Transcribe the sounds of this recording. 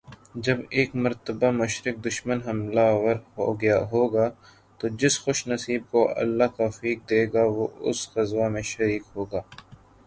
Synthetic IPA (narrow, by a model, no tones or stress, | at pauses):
d͡ʒɐbeːkmɐɾt̪əbamʊʃɾɪk̚d̪ʊʃmənɦɐmlawɐɾɦo̰ːɡjaɦoːɡaː | t̪od͡ʒɪsxʊʃnɐsiːb̚koʔɐ̰lːakafiːk̚d̪eːɡaʋoʊ̰sɣɐzwamẽʃɐɾiːkɦoːɡaː